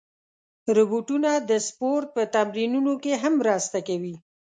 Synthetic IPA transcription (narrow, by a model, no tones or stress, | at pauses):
ɾʊbuʈunad̪əspoɾt̪̚pət̪amɾinunokeɦamːɾɑst̪akawi